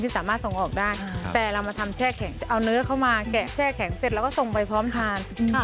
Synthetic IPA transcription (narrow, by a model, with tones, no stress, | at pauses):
iː˥˩saː˩˦maː˥˩t̪̚so˨˩ŋʔɔː˨˩k̚daː˥˩jt̪ɛː˨˩ɾa˧wmaː˧t̪ʰa˧mt͡ɕʰɛː˥˩kʰɛ˩˦ŋ˧ʔa˧wnɯ˦˥ɐkʰa˥˩wmaː˧kɛ˨˩t͡ɕʰɛː˥˩kʰɛ˩˦ŋse˨˩t̪lːwkɔː˥˩so˨˩ŋpa˧jpʰɾɔː˦˥mt̪ʰaː˧n